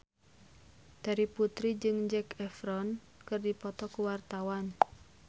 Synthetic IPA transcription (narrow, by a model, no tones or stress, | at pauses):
d̪̥a̤ɾiput̪ɾid͡ʒɨŋd͡ʒɛkɛfɾɔn | kɨrdipɔt̪ɔkuwart̪awan